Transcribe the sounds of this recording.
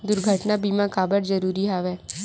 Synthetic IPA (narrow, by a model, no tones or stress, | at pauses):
d̪ʊɾɡʱəʈnabiːmãkaːbəɾd͡ʒəɾuːɾiɦaːʋɛː